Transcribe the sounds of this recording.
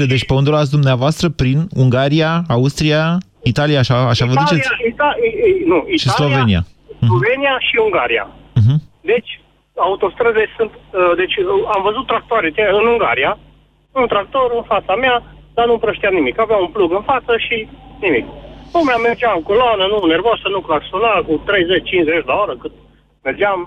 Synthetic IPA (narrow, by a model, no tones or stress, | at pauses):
ed̪et͡ʃʲpeund̪uɾat̪s̬ʲd̪umneavoast̪ɾəpɾinuŋɡaɾiaːust̪ɾia | it̪alijaːʃaːʃavəd̪ut͡ʃesit̪anuiʃisalo̞venija̰s̩lovenijaʃiuŋɡaɾiã̰ɦm̩d̪e̞t͡ʃʲ | aut̪o̞st̪ɾəzesɨnt̪əd̪e̞t͡ʃʲamvəzut̪ːɾak̚t̪oaɾet̪ejɨnuŋɡa̰ɾija | unt̪ɾak̚t̪o̞ɾɨnfat̪samead̪anumpɾəʃt̪iamnimikaveaunpluɡɨnfat̪səʃinimikpomeame̞rd͡ʒeaɨŋkoloanənune̞rvosənukolaksonakut̪ɾe̞jze̞t͡ʃʲt͡ʃinzet͡ʃlaoɾəkɨnt̪ | me̞rd͡ʒam